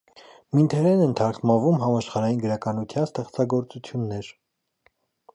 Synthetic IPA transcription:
mint̪ʰɛɾɛnɛnt̪ʰɑɾχmɑvumɦɑmɑʃχɑɾɑjinɡəɾɑkɑnut̪ʰjɑnst̪ɛχt͡sɑɡɔɾt͡sut͡sʰjunːɛɾ

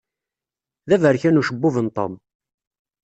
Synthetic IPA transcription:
ðævəɾçænuʃəbːʊvənt̪ˤo̰m

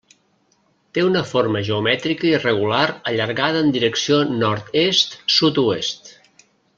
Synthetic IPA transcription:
t̪eunəfoɾməʒeumɛt̪ɾikəirəɣ̞ulaɾəʎəɾɣað̞əːnd̪iɾəksionɔɾt̪est̪sut̪uest̪

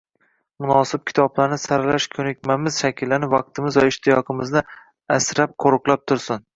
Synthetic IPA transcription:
mʊnɒsɪp̚kʲʰɪ̥t̪ʰɒblaɾnɪsaɾlaʃkʲʰɵnɪk̚ʲmamɪz̥ʃakʲʰɪlːanɪvɑq̚t̪ʰɪmɪzvaɪʃt̪ʰɪjɒqʰɨmɪznɪ | asɾap̚qʰoɾʊqlˠap̚t̪ʰʊɾsʊn

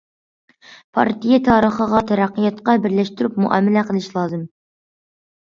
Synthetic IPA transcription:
pʰɑ̰ɾt̪ʰijet̪ʰɑːɾəχəʁɑt̪ʰɛɾæqːijɑt̪qɑbɪɾlɛʃt̪yɾypmṵʔɑ̰ːmːɪlɛqʰəlˠɪʃlˠɑːzɨm

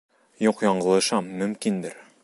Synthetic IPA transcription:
juqjɒɴɢɤ̆lˠɤ̆ʃɑmːɵ̆mkind̪ɘɾ

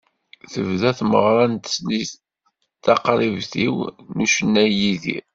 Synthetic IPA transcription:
θəvðæθmə̰ʁɾˤɑnt̪sni | t̪ːɑqɾˤivθiwnuʃənːæjiðḭɾ

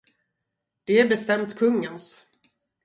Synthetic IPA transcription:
d̪̥ɛæɾbɛst̪ɛmt̪kʰɵŋːəns

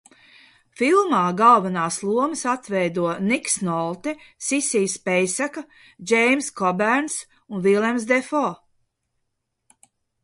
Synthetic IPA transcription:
filˠmaːɡalˠvanaːslˠuɔmɨsat̪vɛjd̪uɔniksnɔlˠt̪ɛsisiːspɛjsaka | d͡ʒɛjmskɔbæɾns | unvilˠʲɛmsd̪ɛfɔː

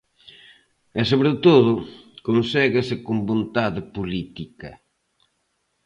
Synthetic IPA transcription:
ɛsoβɾɪt̪oðʊkonsɛɣɪsɪkombõnt̪aðɪpolit̪ikɐ

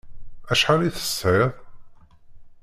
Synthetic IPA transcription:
æʃħaliθə̥sɪðˤ

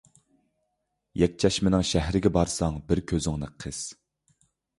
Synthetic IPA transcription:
jɛk̚ʲt͡ʃʰɛʃmɪnɪŋʃæɦɾɪɡʲɛbɑɾsɑŋbɪɾkʲʰøzɪŋnɨ̰qʰəz̥

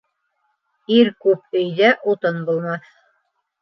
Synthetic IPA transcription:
iɾkʉp̚ɵ̆jðæʔut̪ɤnbulˠmɑθ

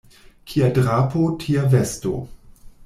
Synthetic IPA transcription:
kʰiadɾapotʰiavesto̰

